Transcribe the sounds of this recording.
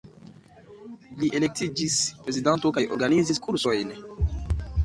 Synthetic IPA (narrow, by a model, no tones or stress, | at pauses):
liʔelek̚tʰid͡ʒispɾezidantokajʔo̰ɾɡaniziskʰuɾsojn